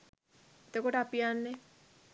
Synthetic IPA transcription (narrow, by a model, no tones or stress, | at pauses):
et̪əkoʈəapijanːe